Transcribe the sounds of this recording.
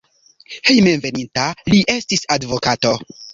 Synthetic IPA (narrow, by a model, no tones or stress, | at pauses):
he̞jmenve̞nintaliʔe̞stisadvo̞kato̞